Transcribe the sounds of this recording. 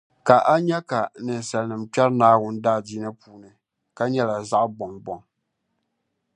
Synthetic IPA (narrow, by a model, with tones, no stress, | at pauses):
ka˨ʔa˦ɲɛ˦ka˨nɨ˨n˨sɛ˨lnɨ˨mt͡ʃɛ˦ɾnaː˦wʊ˦ndaː˦˨diː˦nɨ˦pʰuː˨˦nɨ˨ | ka˦ɲɛ˦la˨za˦ʔbɔ˨ŋbɔ˨ŋ